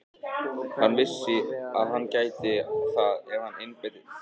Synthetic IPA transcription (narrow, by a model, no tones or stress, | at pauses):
hanːvɪsːɪaðɦanːcaːjt̪ɪθaðɛvhanːenpɛt̪ɪ